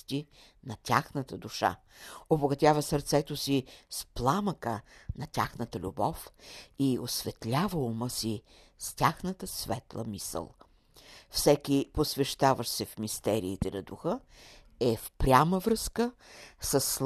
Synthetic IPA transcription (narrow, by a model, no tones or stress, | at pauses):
t̪i | nɐtʲaxnət̪əd̪uʃa̰ | oboɡɐt̪ʲavəsəɾt̪sɛt̪osisplˠaməkənɐt̪ʲaxnət̪əlʲṵbɔfiosvɛt̪lʲavəuməsi | st̪ʲaxnət̪əsvɛt̪lˠə̰misə̰lˠ | fsɛkʲiposvɛʃt̪avəʃsɛfmist̪ɛɾiːt̪ɛnɐd̪uxə | ɛfpɾʲaməvɾɤskəsəsː